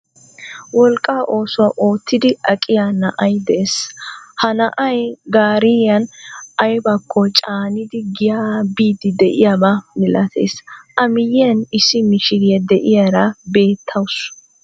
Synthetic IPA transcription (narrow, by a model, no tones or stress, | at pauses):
wɔlkʼːaːʔo̞ːsʊwɐʔoːt̪ːɪd̪ɪɐkʼɪjanɐʔɐjd̪ɛʔeshɐnɐʔɐjɡaːɾɪɐnɐjbɐkʰːɔt͡ʃʼaːnɪd̪ɪɡɪjaːbiːd̪ɪd̪ɛʔɪjabɐmɪlɐt̪ʰḛːsʔɐmɪjɪjɐnɪsːɪmɪʃɪɡɪjɐd̪ɛʔɪjaɾɐbe̞ːt̪ʰːɐwʊs